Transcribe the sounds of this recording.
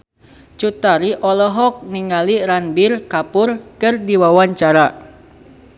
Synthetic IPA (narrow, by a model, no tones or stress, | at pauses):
t͡ʃut̪aɾiʔɔlɔɦɔk̚niŋaliɾanbɪrkapʊrkɨrdiwawaɲt͡ʃaɾa